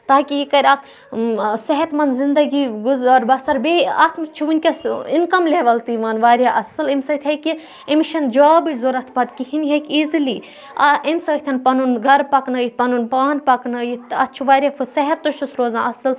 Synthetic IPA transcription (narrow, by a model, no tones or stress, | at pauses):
t̪aːkʲiikɐɾʲɐkʰ | sɐɦɐt̪mɐnzind̪ɐɡiɡuzaːɾbɐst̪ɐɾbeɐt̪ʰmt͡ʃʰuʋunʲkʲɐsinkɐmlʲeʋɐlt̪iʋɐnʋaːɾʲjaʔɐsɨlemsɐt̪ʲʰɐki | emiʃɐnd͡ʒoːbiʈʲzoɾɐt̪ʰpɐt̪kihinɦɐkʲizliː | ɐemsɐt̪ʰɐnpɐnunɡɐɾpɐknɐjit̪̚pɐnunpaːnpɐknɐjit̪ɐ̰t͡ʃʰuʋaːɾʲjafʰɨsɐɦɐt̪ːuʃusɾoːzãːʔɐsɨl